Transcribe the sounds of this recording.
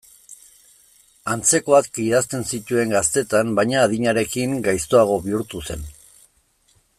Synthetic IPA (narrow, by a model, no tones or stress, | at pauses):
ant͡se̞ko̞akkiðast̪e̞nsit̪ue̞ŋɡast̪e̞t̪ambajɲaːðiɲaɾe̞kiŋɡajst̪o̞aɣ̞o̞βiuɾt̪use̞n